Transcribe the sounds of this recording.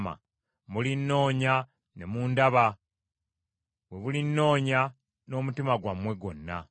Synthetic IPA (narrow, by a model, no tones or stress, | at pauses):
ma̰ | mulinːo̞ːɲa | nemuːndaβa | βwe̞βulinːo̞ːɲa | no̞mutimaɡwamwe̞ɡo̞nːa̰